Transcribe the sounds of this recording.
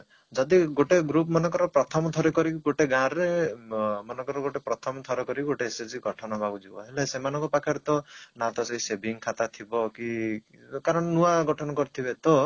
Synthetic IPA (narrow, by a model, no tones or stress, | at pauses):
d͡ʒɔd̪iɡoʈeɡɾup̬̚mɔnɔŋkɔɾɔpɾɔt̪ʰɔmɔt̪ʰɔɾɔkɔɾikɡoʈeɡãɾe | mɔnɔ̃ŋkɔɾɔɡoʈepɾɔt̪ʰɔmɔt̪ʰɔɾɔkɔɾiɡoʈeːsed͡ʒiɡɔʈʰɔnɔbʱaɡud͡ʒibɔ̰ɦelesemanɔŋkɔpakʰaɾet̪ɔnat̪ɔseɦisebʱiŋkʰat̪at̪ʰibɔki | kaɾɔɳnuaɡɔʈʰɔnɔkɔɾit̪ʰibet̪ɔ